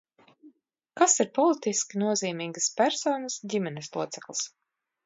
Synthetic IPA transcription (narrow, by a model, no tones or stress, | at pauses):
kasiɾpɔlˠit̪iskʲinuɔziːmiːɡaspæɾsɔːnəsdʲimɛneslˠuɔt̪sɛklˠs